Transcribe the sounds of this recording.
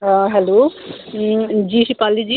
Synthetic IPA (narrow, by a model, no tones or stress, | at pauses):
ɦɛlo | d͡ʒisipalid͡ʒi